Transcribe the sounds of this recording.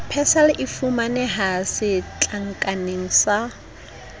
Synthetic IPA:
pʰɛsalɪʔɪfumanɪɦasɪt͡ɬʼaŋ̩kʼaneŋ̩sa

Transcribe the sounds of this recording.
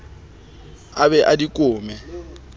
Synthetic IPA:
abɛʔadikʼʊːmɛ

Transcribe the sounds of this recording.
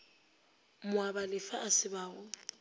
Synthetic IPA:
mʊabalɪfaʔasɪbaːɣʊ

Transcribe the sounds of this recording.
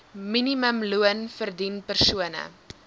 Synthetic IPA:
miniməmluənfərdinpərsuənə̰

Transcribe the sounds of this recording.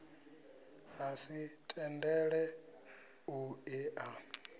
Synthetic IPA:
hasitʼɛndɛɺɛ | uɛʔa

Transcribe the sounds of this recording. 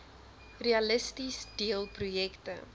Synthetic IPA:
reɐləstisdiəlˠprujɛktə

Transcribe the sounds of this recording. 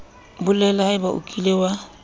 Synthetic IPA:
bʊlɛlaɪbaʔṵkʼilewa

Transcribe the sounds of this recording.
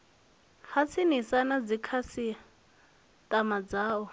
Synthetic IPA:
hat͡sʰinisanad͡zikʰasia | tʼamad͡zaːɔ

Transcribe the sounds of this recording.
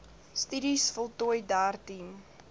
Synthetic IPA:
styɾisfɔlˠtujdaːrtim

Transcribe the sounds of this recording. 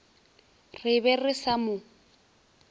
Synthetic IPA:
rɪbɛrɪsamʊ

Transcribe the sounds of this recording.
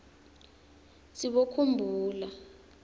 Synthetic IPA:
siɓokʰumbʱuːla

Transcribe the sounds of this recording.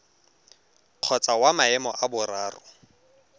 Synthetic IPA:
q͡χʰɔt͡sʼawamaɛmɔʔabʊraːrʊ̰

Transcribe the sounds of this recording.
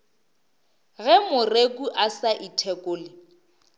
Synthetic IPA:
ɣɛmʊrek̬ʼuʔasaʔitʰɛkʼoːlɪ

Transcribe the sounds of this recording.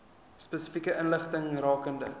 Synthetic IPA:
spɛsəfikəʔənləχtəŋrɑːkəndə̰

